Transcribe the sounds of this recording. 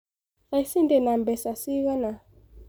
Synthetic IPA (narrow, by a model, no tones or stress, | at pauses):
saisindɛnambɛsasiwana